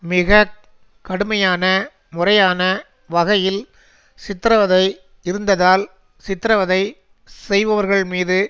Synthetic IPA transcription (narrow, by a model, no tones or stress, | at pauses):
mɪɣɐ | kːɐɽɯmɐjaːnɐ | mʊrɐjaːnɐ | ʋɐɣɐjɪl | sɪt̪ːɪɾɐʋɐðɐɪ | ɪɾɯnd̪ɐðaːl | sɪt̪ːɾɐʋɐðɐɪ | sɛjʋɐʋɐɾɣɐɭmiːðɯ